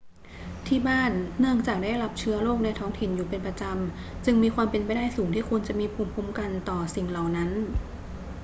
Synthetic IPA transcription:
t̪ʰiː˥˩baː˥˩nːɯ˥˩əŋt͡ɕaː˨˩k̚daː˥˩jɾa˦˥p̚t͡ɕʰɯ˦˥ɐloː˥˩k̚na˧jt̪ʰɔː˦˥ŋt̪ʰi˨˩njuː˨˩pe˧npɾa˧t͡ɕa˧m | t͡ɕɯ˧ŋmiː˧kʰwaː˧mpe˧npa˧jda˥˩jsuː˩˦ŋt̪ʰiː˥˩kʰu˧nt͡ɕa˨˩ʔmiː˧pʰuː˧˩mpʰuː˦˥˩mka˧nt̪ɔː˨˩si˨˩ŋla˨˩wna˦˥n

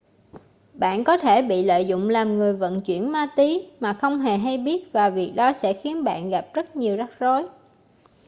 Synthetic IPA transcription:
ɓa̰ː˧˨nkɔ˨˦t̪ʰe˧˩ɓḭ˧˨lə̰ː˧˨jzʊ̰˧˨ŋ͡mlaː˨˩mŋɨ˨˩əjvə̰˧˨nt͡ɕwḭ˧˩ənmaː˧t̪i˨˦maː˨˩xə˧wŋ͡mɦe˨˩ɦa˧jɓi˦˥ət̚vaː˨˩vi˨˩ək̚ɗɔ˨˦sɛ̰˧˥xi˨˦ənɓa̰ː˧˨nɣa˨˩p̚zə˦˥t̚ɲi˨˩əwza˦˥k̚zo˨˦j

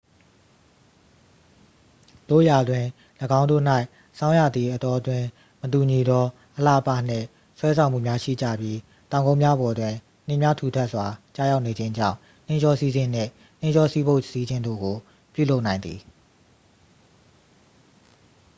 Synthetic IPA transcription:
d̥o̰˦˨ja˨dwɪ̃˨ | ləɡã˦ʊ̃ndo̰˦˨n̥a˦ɪ | sã˦ʊ̃ja˦˨d̪ði˨ʔət̪ɔ˦ʔədwɪ̃˨ | mət̬u˨ɲi˨d̪ɔ˦ | ʔəla̰˦˨pa̰˦˨n̥ɪ̰̃˦˨ | swɛ˦s̬ʰã˨m̥ṵ˦˨mja˦ʃḭ˦˨d͡ʑä̰˦˨bji˦ | t̪ã˨ʊ̃ŋɡõ˦ʊ̃mja˦bɔ˨dwɪ̃˨ | n̥ɪ̃˦˨mja˦tʰu˨tʰɛ˦ʔswa˨t͡ɕa̰˦˨ja˦ʊʔne˨d͡ʑɪ̃˦ɲd͡ʑã̰˦˨ʊ̃ | n̥ɪ̃˦ɲd͡ʑɔ˦si˦zɪ̃˦n̥ɪ̰̃˦˨ | n̥ɪ̃˦ɲd͡ʑɔ˦si˦bo˦ʊʔsi˦d͡ʑɪ̃˦ndo̰˦˨ɡo˨ | pjṵ˦˨lo˦ʊʔnã˨ɪ̃nd̪ði˨

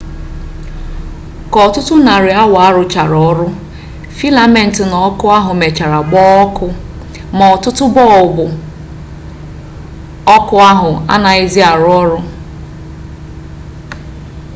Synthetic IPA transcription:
kɔ˨tʊ˦tʊ˦na˨ɾɪ˨a˦wa˦ɾʊ˨t͡ʃa˨ɾɔ˦ɾʊ˦ | fi˦la˨me˦n̩˨tɪ˨nɔ˨˦kʊ˦a˦ɦʊ˨me˨t͡ʃa˨ɾa˨ɡ͡bɔ˦kʊ˦ | mɔ˨tʊ˦tʊ˦bɔ˦˨ʊ˨bʊ˨ | ɔ˦kʊ˦a˦ɦʊ˨a̰˦na˨ɪ˦zi˦a˨ɾʊ˦ɔ˦ɾʊ˦

